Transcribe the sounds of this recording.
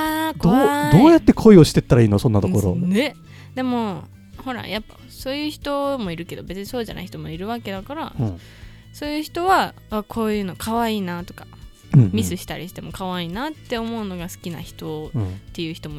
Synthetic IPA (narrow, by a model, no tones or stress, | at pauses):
aːkd̪od̪oːjat̪ːe̞kʰo̞io̞ɕi̥t̪e̞t̪ːaɾaiːnosõ̞nːat̪oko̞ɾone | d̪e̞mo̞ | ho̞ɾa̰japːa̰ | so̞ːjɯ̟ːçi̥t̪o̞mo̞iɾɯ̟ke̞d̪o̞be̞t͡sɨɲiso̞ːʑa̰na̰içi̥t̪o̞mo̞iɾɯ̟βake̞d̪akaɾa | so̞ːjɯ̟ːçi̥t̪o̞βa | aːkʰo̞ːjɯ̟ːno̞kʰaβaiːnaːt̪o̞kḁ | mʲisɨɕi̥t̪aɾʲiɕi̥t̪e̞mo̞kaβaiːnaːt̪ːe̞o̞mo̞ɯ̟no̞ɡasɨ̥kʲina̰çi̥t̪o̞t̪ːe̞jɯ̟ːçi̥t̪o̞mo